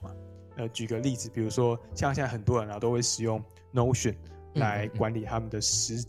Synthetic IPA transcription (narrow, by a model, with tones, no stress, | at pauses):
ə˧t͡ɕy˨˩ɡə˦li˥˨˩d͡zɹ̩˨˩pi˨˩ɻu˧˥ʂwɔ˦ɕjŋɕxə˨˩nt̪wɔ˦˥ɻə˧˦n˧˨˩t̪o˥ʊwe˥˩ɪʂɻ̩˨˩jʊ˥˩ŋ | no˥˧ʊɕə˨˩n | la˧˦ɪkwa˧˦nli˨˩t̪ʰa˥mə˨nd̪ə˩ʂɻ̩˧˥